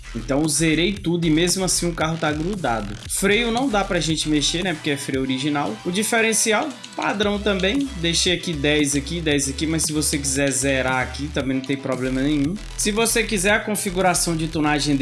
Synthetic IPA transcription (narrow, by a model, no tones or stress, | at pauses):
ẽt̪ɐ̃w̃ʊzeɾejt̪ud̪ʊɪmezmʊasĩũkaɦʊt̪aɡɾud̪a̰d̪ʊfɾejʊnɐ̃w̃d̪apɾɐʒẽnt͡ʃɪmeʃeɾnɛpo̥keɛfɾejʊoɾiʒinawʊd͡ʒifɛɾẽsiaw | pa̰d̪ɾɐ̃w̃t̪ɐ̃mbẽj̃d̪ejʃejakid̪ɛjzakid̪ɛjzɐkimɐjssɪvosekizɛɾzɛɾaakit̪ɐ̃mbẽj̃nɐ̃t̪ẽj̃pɾɔblẽmɐnẽɲ̃ũ | sɪvosekizɛɾɐkõfiɡuɾasɐ̃w̃d͡ʒɪt̪õnaʒẽd̪